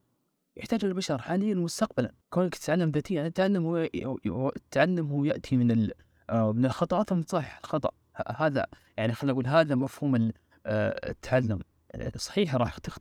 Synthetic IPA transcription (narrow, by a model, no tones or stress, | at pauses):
jɪħt̪aːd͡ʒɪlalbaʃɑɾˤħaːnɪjːalmʊst̪aqbala̰nkoːlːakt̪ɪ̥t̪ʕalːamðaːt̪ijːaʕnɪt̪ːʕalːamh | t̪ːaʕalːʊmhʊːjaʔt̪ʰimɪnɪl | mɪnɪlxɑt̪ˤɑʔɑːt̪mnsˤɑħħɪlxɑt̪ˤɑ̰ʔ | ha̰haːða̰ | jaʕnixalːʔaɡuːlɦaːðamafhuːmɪl̰ | t̪ʰːaʕalːʊm̰ | sˤːɑ̥ħiːħɾˤɑːħt̪ɪx